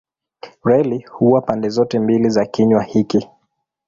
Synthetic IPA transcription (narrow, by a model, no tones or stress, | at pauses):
ɹɛlihuwapandɛzɔtɛmbilizakiɲwahiki